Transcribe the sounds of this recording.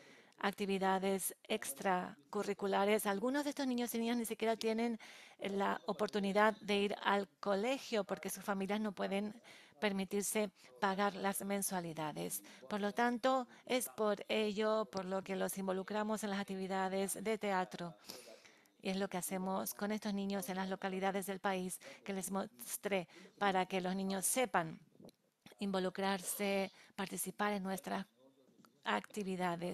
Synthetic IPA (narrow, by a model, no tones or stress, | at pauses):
a̰k̚t̪iβiðaðesekst̪ɾakurikulaɾe̞salɣunozðe̞st̪onĩɲo̞sinĩɲaznisikje̞ɾat̪je̞nẽ̞nlaʔopo̞ɾt̪uniðaððe̞iɾa̰lko̞le̞xjo̞po̞ɾke̞susfamiljaszno̞pwe̞ðe̞mpe̞ɾmit̪iɾse̞paɣaɾlazmẽ̞nswaliðaðespo̞ɾlo̞t̪ant̪o̞e̞spo̞ɾeʎo̞po̞ɾlo̞ke̞lo̞simbo̞lukɾamo̞se̞nlasak̚t̪iβiðaðe̞zðe̞t̪e̞at̪ɾo̞ | ḭe̞zlo̞kease̞mosko̞ne̞st̪o̞znĩɲo̞se̞nlaslo̞kaliðaðe̞zðe̞lpaiske̞le̞zmost̪ɾepaɾake̞lo̞znĩɲosːe̞pan | imbo̞lukɾaɾsepaɾt̪isipaɾe̞nːwe̞st̪ɾa | akt̪iβiðaðe